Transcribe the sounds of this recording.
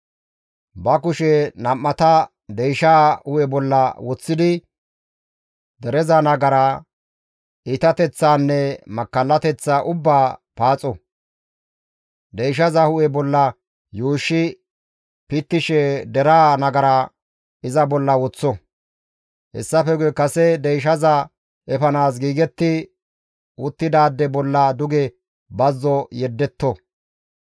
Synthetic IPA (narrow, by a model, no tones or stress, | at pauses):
bɐkʊʃɛnɐmːɐt̪ɐ | d̪ɛjʃaːhʊʔɛbɔlːɐwɔt͡sːɪd̪ɪ | d̪ɛɾɛzɐnɐɡɐɾɐ | ɪt̪ɐt̪ɛt͡sːaːnːɛmɐkːɐlːɐt̪ɛt͡sːaʔʊbːaːpaːt͡sʼɔ | d̪ɛjʃɐzɐhʊʔɛbɔlːɐ | juːʃːɪ | pɪt̪ːɪʃɛd̪ɛɾaːnɐɡɐɾa | ɪzɐbɔlːɐwɔt͡sːɔ | hɛ̰sːɐfɛɡɛkɐsɛd̪ɛjʃ̬ɐzɐ | ʔɛfɐnaːs̬ɡiːɡɛt̪ːɪ | ʊt̪ːɪd̪aːd̪ːɛbɔlːɐd̪ʊɡɛ | bɐzːɔjɛd̪ːɛt̪ːɔ